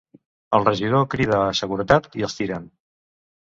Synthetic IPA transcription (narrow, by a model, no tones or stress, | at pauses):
əlˠrəʒið̞okɾiðəːsəɣuɾət̪at̪iəlˠst̪iɾən